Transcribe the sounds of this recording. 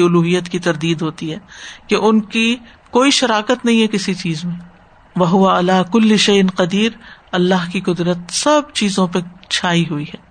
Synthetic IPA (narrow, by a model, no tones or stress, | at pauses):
ʊluːɦijət̪kit̪ɐɾd̪iːd̪ɦoːt̪iɦɛːkeʔʊnki | koːiʃɐɾaːkət̪nɐɦĩɦɛkɪsit͡ʃiːzmẽ | ʋɐɦʊʋaɐlaːkʊlːɪʃɐjɪnqɐd̪iːɾɐlːaɦkiqʊd̪ɾət̪sɐbt͡ʃiːzõpet͡ʃʰaːiɦʊiɦɛː